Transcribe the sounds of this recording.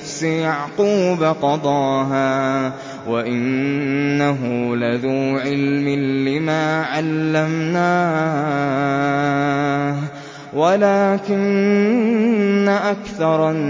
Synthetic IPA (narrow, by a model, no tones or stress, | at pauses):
fsɪjɑʕquːbaqɑd̪ˤɑːɦaː | waʔɪnː | aɦʊlaðuːʕɪlmɪːɪmaːʕalːamnaː | walaːkɪn | aʔakθɑɾˤ